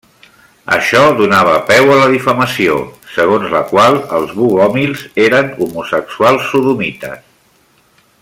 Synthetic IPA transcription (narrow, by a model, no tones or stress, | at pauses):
ə̰ʃɔðunaβ̞əpɛwələðifəməsio̰səɣonzləkwalˠəlˠzβuɣɔmilˠzeɾənumusəksualˠsːuðumit̪ə̰s